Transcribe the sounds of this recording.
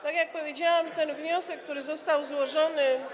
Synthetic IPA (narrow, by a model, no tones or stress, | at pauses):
t̪aɡjak̚pɔvʲjed͡ʑawɛmt̪ɛnvɲɔsɛkːt̪uɾɘzɔst̪awzwɔʐɔnɘ